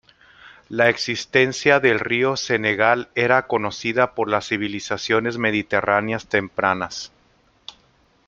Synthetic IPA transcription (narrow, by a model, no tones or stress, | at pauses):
laeksist̪e̞nsjaðe̞lrio̞se̞ne̞ɣale̞ɾako̞no̞siðapo̞ɾlasːiβ̞ilisasjo̞ne̞zme̞ðit̪e̞ranjast̪e̞mpɾanas